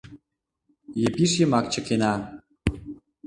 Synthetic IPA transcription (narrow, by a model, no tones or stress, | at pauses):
jəpiʃ̬jəmɑk̚t͡ɕə̆kenɑ